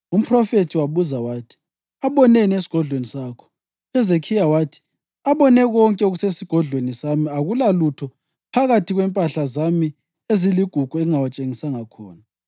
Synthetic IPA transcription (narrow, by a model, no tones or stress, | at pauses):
um̩pʰrɔfetʰiwaβuzawaːtʰi̥ | aβɔnenies̬i̥ɡ̥ʱɔɮwenisaːkʰɔ̥ | ɛzekʰijawaːtʰi̥ | aβɔnɛɣɔŋkʼɛuɣusesiɡ̥ʱɔɮwenisamiaɣulalutʰɔ | pʰaɣatʰiɣwɛmpʼaɬazami | eziliɡ̥ʱuɡ̥ʱuɛŋawat͡ʃʼeŋisaŋakʰɔ̰ːna